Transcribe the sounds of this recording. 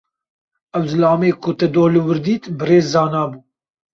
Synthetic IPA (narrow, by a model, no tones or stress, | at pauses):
ɛwzɨlɑːmeːkʰʊt̪ɛd̪oːlɨwɨɾd̪iːt̪bɨɾeːzːɑːnɑːbuː